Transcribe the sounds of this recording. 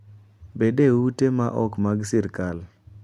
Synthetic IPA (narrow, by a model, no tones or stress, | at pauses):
bedewutemaʔɔkmaɡsɪɾkal